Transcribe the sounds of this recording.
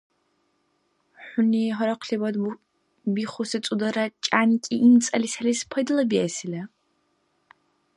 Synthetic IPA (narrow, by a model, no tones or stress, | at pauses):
ħʷʊniɦɔɾɔqʰɬibɐd̪ | biχʷʊsɨt͡sʼud̪ɐɾɐt͡ʃʼaːnikʼiʔimt͡sʼɐlisɐlispʰɐd̪ɨlɐbiɛsilɐ